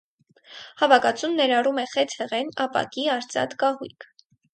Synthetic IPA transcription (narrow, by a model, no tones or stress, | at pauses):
hɑvɑkɑt͡sʰumnɛɾɑrumɛχɛt͡sʰhɛʁɛnɑpɑ̰kiɑɾt͡sɑ̰t̪kɑɦujkʰ